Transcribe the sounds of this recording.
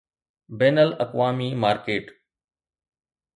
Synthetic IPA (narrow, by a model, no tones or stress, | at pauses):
beːnəlɐkʋaːmiːmaːɾkeːʈ